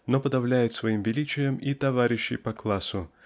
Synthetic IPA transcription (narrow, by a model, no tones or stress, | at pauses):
nopəd̪ɐvlʲæjɪt̪svɐimvʲɪlʲit͡ɕɪjəmit̪ɐvaɾʲɪɕːɪ̰jpɐklˠasʊ